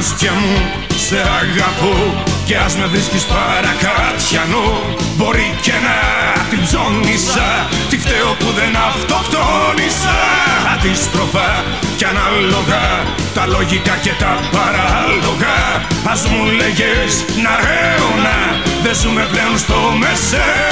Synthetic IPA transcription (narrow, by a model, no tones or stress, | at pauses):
st̪çɐmu | se̞ɐɣɐpoce̞ɐzmeðɾiscispɐɾɐkɐt̪çɐnu | bo̞ɾicenɐt̪ibzo̞nisɐ | t̪ift̪eopuðenɐft̪o̞kt̪onisɐɐðist̪ɾo̞pɐ | ceɐnɐlo̞ɣɐ | t̪ɐlo̞ʝik̪ɐcet̪ɐpɐɾɐlo̞ɣɐɐzmuleʝes | nɐɾeonɐ | ðezumepleonst̪o̞mesɐ